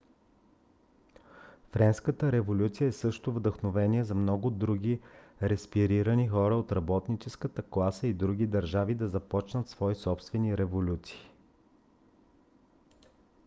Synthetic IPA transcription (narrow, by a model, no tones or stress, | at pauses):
fɾɛnskət̪əɾɛvolʲut̪sijəɛsɤʃt̪ʊvd̪əxnovɛniɛzɐmnɔɡʊd̪ɾuɡʲiɾɛspiɾiɾənixɔɾəot̪ɾɐbɔt̪nit͡ʃɛskət̪əklˠasəid̪ɾuɡ̟id̪ɐɾʒavid̪ɐzɐpɔt͡ʃnət̪svɔisɔpst̪vɛniɾɛvolʲut̪si̥ː